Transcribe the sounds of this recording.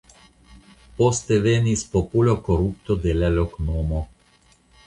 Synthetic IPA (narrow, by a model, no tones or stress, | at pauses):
pɔst̪ɛʋenispɔpulʲɔkɔɾupt̪ɔd̪elɛlɔknoːmɔ